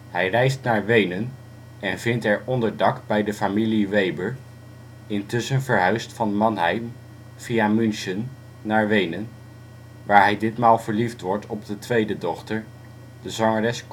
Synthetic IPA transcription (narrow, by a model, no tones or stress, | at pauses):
hɛjrɛjstnaːɹʋejnən | ɛnvɪntɛɹʔɔndəɹdɑkbɛjdəfamiliʋejbəɹ | ɪntɵsənvəɹɦœɥstfɑnmɑnɦɛjm | v̥iamɵnʃənː | aːɹʋejnən | ʋaːɹɦɛjdɪtmaːlˠvəɹliftʋɔɹtʰɔb̚dətʋejdədɔχtəɹ | d̥əzɑŋərɛsk